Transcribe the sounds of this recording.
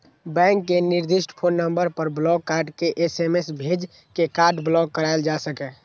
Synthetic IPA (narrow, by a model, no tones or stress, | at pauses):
bɛ̃ŋkːeniɾd̪iʃʈʰpʰonːəmbəɾpəɾblɔɡ̚kaɾɖkeʔesemesbʱed͡ʒ | kekaɾɖblɔɡ̚kəɾaɪld͡ʒasəkɛ